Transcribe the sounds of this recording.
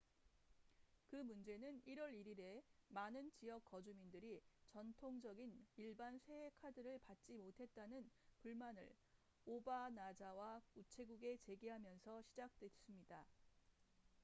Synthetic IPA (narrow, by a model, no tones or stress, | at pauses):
kɯmund͡ʑe̞nɯniɾʌɾiɾiɾe̞manɯnt͡ɕijʌk͈̚ʌd͡ʑumindɯɾit͡ɕʌntʰoŋd͡ʑʌɡiniɭbansʰe̞ekʰadɯɾɯɭpat̚t͡ɕ͈imotʰe̞t̚t͈anɯnpuɭmanɯ̰ɭ | obanad͡ʑawakut͡ɕʰe̞ɡuɡe̞t͡ɕe̞ɡiɦamjʌnsʰʌɕʰid͡ʑak̚t͈we̞s͈ɯmɲida